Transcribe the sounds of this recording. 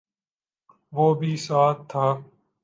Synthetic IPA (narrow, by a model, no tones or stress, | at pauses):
ʋoːbʱiːsaːt̪ʰːaː